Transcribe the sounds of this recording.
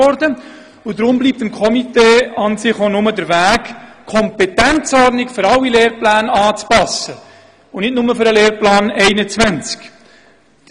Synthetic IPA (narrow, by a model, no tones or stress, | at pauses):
ɔɾdə | ʊdɾʊmbliːp̚t̪əmkʰɔmiteːɑnsɪχonʊmədəɾvæːkkʰɔmpɛtænt͡sɔrdnɪkfʏɾɑlːileːɾplæːnɑːt͡spɑsə | ʊnɪtnʊməfʏɾəleːɾplɑːnɛɪnət͡svænt͡sk